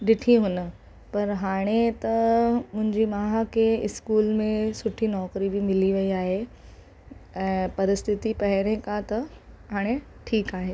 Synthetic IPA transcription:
ɗɪʈʰiɦʊnə̆ | pɐɾɦaːɽ̃et̪ɐmʊ̃ɦɪ̃ɲd͡ʑimaːɦakʰeɪskuːlmẽsʊʈʰinɔːkɾibʱimɪliʋɐiaːɦe | ɛ̃ːpɐɾɪst̪ʰɪt̪ipɐɦɪɾẽkat̪ɐɦaːɽ̃e | ʈʰiːkaːɦeː

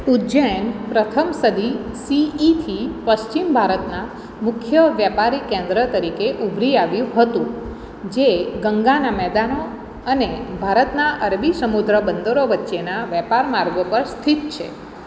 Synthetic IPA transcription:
ud͡ʒəjənpɾət̪ʰəmsəd̪isiːt̪ʰipəʃt͡ʃimbʱaɾət̪na | mʊkʰjəʋjapaɾikẽnd̪ɾət̪əɾikeʔubʱɾiaʋjũɦət̪ũ | d͡ʒeɡəŋɡanamɛd̪ano | ənebʱaɾət̪naʔəɾbisəmud̪ɾəbənd̪oɾoʋətːʃenaʋɛpaɾmaɾɡʋəpəɾst̪ʰit̪t͡ʃʰḛ

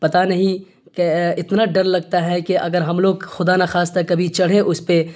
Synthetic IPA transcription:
pɐt̪anɐɦĩ | keɪt̪naɖɐɾlɐɡ̚t̪aɦɛkeʔɐɡəɾɦɐmloːɡxʊd̪anaxaːst̪ɐɾkɐbʱit͡ʃɐɽ̤ẽʔʊspe

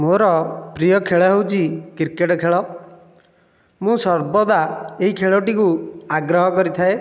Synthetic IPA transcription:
moɾɔpɾijɔkʰeɭɔɦewt͡ʃʰikiɾkeʈɔkʰeɭɔ | mũsɔɾbɔd̪aeɦikʰeɭɔʈikuaɡɾɔɦɔkɔɾit̪ʰae

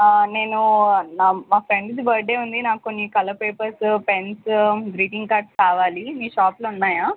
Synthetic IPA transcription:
ne̞ːnunamaːpɾeɳɖsbɐɾɖe̞ːund̪inaːkkonːikɐlɐpeːpɐɾspensɡɾiːʈiŋɡkaːɾʈskaːʋaːlimiːʃaːplɐunːaːjaː

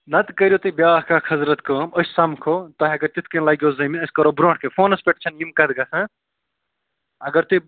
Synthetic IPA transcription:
nɐt̪kɐɾʲjot̪ubʲjaːɦkakʰɐzɾɐt̪kɐːməsʲsɐmkʰoːt̪ɐɦʲɐɡɐɾt̪it̪ʰkɐnlɐɡʲjoːzɐmiɐsʲkɐɾoːbɾõːɳʈʰkefʰoːnɐspʲeʈt͡ʃʰɐnjimkɐd̪ɡɐsʰɐ̃ | ɐɡɐɾt̪u

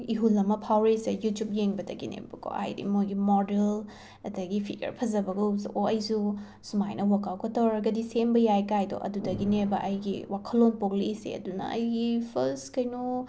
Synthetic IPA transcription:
iɦulɐmɐpʰawɾesejutjup̚jeŋbɐdɐɡinḛbɐkʰo̰a̰jdḭmojɡimodel | ɐtɐɡipʰiɡɐ̰ɾpʰɐzɐbɐɡɐzoɐjsu | sumajnʔɐwakawkɐtɔɾɐɡɐdisembɐjajkajdo̰ʔɐ̰dudɐɡinebɐʔɐjɡḭwakʰɐlːonpok̚liisḛɐ̰dunɐ̰ɐjɡipʰɐskɐjno

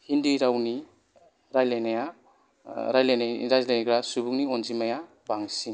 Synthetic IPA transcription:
hindiɾawni | ɾajlajnaja | ɾajlajnaɾajzlaniɡɾasubukniɔnzimaja | baŋsin

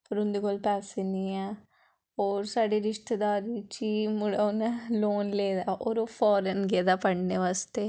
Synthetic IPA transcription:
pɐɾund̪ikolpɛːsenia | oːɾsaːɽeɾɪʂʈ̪ed̪aːɾit͡ʃimʊɽanloːnleːd̪aːʔoːɾoːfʰɔːɾənɡeːd̪aːpɐɽneʋaːst̪e

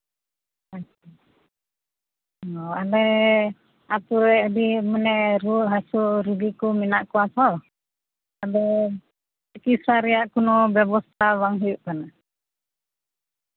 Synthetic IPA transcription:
ak | ɔadɛ | at̪uɾɛdimunɛɾuʔɦasuɾuɡikuminaʔkuat̪ɔ | abɛ | kisaɾiaʔkunɔbɛbɔst̪awaŋɦiuʔkana

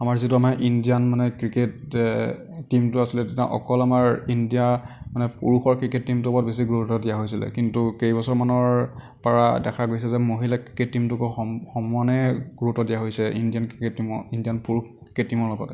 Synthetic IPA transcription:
amaɹzituamaʔindijanmanɛkɹiketː | imtʊasilɛtɛta̰ʔɔ̰kɔlamaɹindijamanɛpuɹuxɔɹkɹiketːimtʊɔpɔtbes̬iɡuɹutɔdijaɦojsilɛ̰kintukejbɔsɔɹmanɔɹ | paɹa̰dɛkʰaɡojsɛzɛmoɦilakɹiketːimtukoɔxɔmuanɛɡ̥uɹutɔdijaɦojsɛindijankɹiketːimɔindijanpuɹuxkɹiketːimɔɹlɔɡɔt

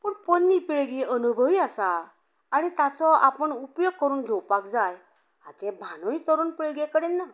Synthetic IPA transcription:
pəɳponːipiɭɡeʔənubʱəʋiasaː | ɽ̃it̪at͡sɔapəɳupjoɡ̚kəɾuːnɡʱɛwpakd͡zaj | at̪ɛ̃bʱanõit̪əɾuːnpiɭɡekəɽenːa

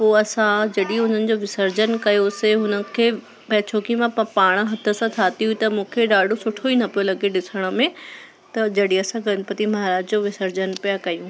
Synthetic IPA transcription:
poːɐsãd͡ʑɐɗiɦʊn̤ənɪ̆d͡ʑoʋɪsəɾd͡ʑənkɐjoseɦʊnəkʰeː | pɐːt͡ɕʰoːkimãpaːɽ̃̆ɦɐt̪ʰə̆sãt̪ʰaːt̪iɦʊit̪ɐmũːkʰeɗaːɖʱosʊʈʰoiːnɐpolɐɡeɗɪsəɽ̃ə̆mẽ | t̪ɐd͡ʑɐɗiɐsãɡɐnpət̪imɐɦaːɾaːd͡ʑd͡ʑoʋɪsəɾd͡ʑənpijakɐjũ

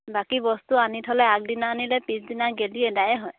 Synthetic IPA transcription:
bakibɔst̪uanitʰɔlɛak̚dinaːnilɛpĩsdinaɡeliɛdajɛɦɔj

